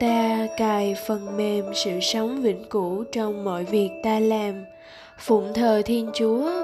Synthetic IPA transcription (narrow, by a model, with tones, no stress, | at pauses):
t̪aː˧kaː˨˩jfə˨˩nme˨˩msɨ̰˧˨sə˨˦wŋ͡mvḭ˧˥ŋku˧˥t͡ɕɔ˧wŋ͡mmo̰˧˨jvi˨˩ək̚t̪aː˧laː˨˩m | fʊ̰˧˩ŋ͡mt̪ʰəː˨˩t̪ʰi˧ənt͡ɕu˨˦ə